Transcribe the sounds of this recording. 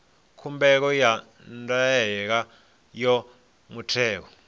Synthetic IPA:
kʰumbɛk̬ɔja | ndaɛk̬a | jɔ | mutʰɛːk̬ɔ

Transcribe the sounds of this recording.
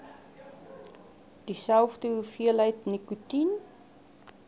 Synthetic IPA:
d̥isælˠfdəɦufiəlɦəjtnikutin

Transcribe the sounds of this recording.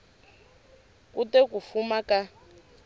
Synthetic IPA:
kutɛkufumaka

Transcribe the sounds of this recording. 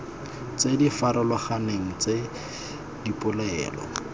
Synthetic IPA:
t͡sedifaɾɔlɔχaneŋ̩t͡se | dipʼʊlɛːlɔ̰

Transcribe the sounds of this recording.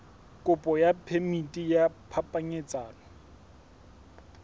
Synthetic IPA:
kʼʊpʼɔjapʰemitʼijapʰapʼaɲet͡sʼaːnɔ

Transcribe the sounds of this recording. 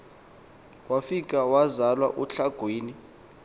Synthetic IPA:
wafik̬ʼawazalwaʔuɬaɡ̥ʱwiːni

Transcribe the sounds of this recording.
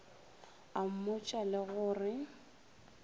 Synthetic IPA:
am̩mʊt͡ʃʼalɪɣʊːrɪ

